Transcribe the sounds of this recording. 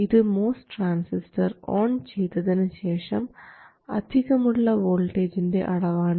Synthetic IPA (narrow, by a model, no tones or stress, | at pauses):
iðɨmo̞ːsʈraːnsistɐro̰ːɳt͡ɕe̞jt̪ːɐðinɨɕe̞ːʂɐm | ɐ̰d̪ʱiɣɐmuɭːɐʋo̞ːlʈeːd͡ʑinde̞̰ʔɐɽɐʋaːɳ